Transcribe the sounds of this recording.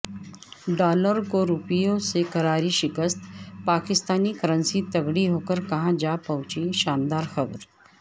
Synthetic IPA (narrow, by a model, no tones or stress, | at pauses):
ɖaːləɾkoɾupijõsekɐɾaːɾiʃɪkəst̪paːkɪst̪aːnikɐɾə̃nsit̪ɐɡɽiɦoːkəɾkɐɦãd͡ʒaːpɐʊ̃t͡ʃiʃaːnd̪aːɾxɐbɾ